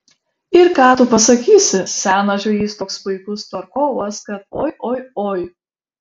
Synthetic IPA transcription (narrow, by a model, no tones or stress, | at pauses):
ɪɾkɑːt̪ʊpɐsɐkʲiːsʲɪsʲæːnɐʒʲoːjiːst̪oːkspɐɪkʊst̪ɐɾkoːʋɐskɐt̪̚oːjʔoːjoːj